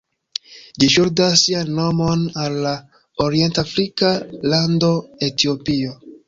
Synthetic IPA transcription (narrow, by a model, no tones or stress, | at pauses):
d͡ʒiʃuɾdasːianːo̞mo̞nalːa | oɾie̞ntafɾikalando̞e̞tio̞pio̞